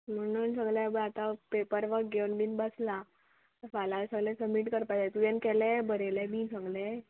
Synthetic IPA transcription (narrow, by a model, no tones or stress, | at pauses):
m̤ənənsəɡlabəat̪apepəɾʋəkɡewnbinbəsla | t̪əɾfalasəɡlɛ̃səbmiʈkəɾpajd͡zat̪ujɛnkɛlɛbəɾelɛmiːnsəɡlɛ